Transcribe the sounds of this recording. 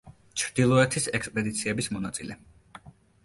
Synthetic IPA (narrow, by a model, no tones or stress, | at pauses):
t͡ʃʰɾd̪̥ilˠɔɛt̪ʰisɛkspʼɛd̪it̪sʰiɛbismɔnat̪sʼilɛ